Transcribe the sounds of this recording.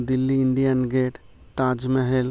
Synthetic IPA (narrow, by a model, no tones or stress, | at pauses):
d̪ilːiɪɳɖijanɡeːʈ | t̪ad͡ʒmɛɦel